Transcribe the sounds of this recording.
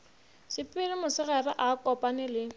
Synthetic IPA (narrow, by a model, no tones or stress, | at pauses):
sɪpʼɪlɪmʊsɪɣɛrɪʔakʼɔpʼanɪlɪ